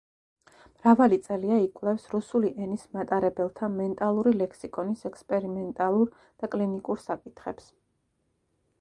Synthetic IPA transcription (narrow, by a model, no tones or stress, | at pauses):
mɾavalit̪sʼɛliaikʼwlˠɛfsɾusuliʔɛnismat̪ʼaɾɛbɛlˠt̪ʰamɛnt̪ʼalˠuɾilɛkʰsikʼɔnisɛkspʼɛɾimɛnt̪ʼalˠuɾ | d̪̥akʼlinikʼuɾsakʼit̪ʰχɛps